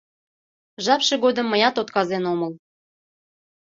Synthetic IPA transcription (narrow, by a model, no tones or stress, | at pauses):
ʒɑpʃeɣod̪əmːəjɑt̪ot̪kɑzenoməl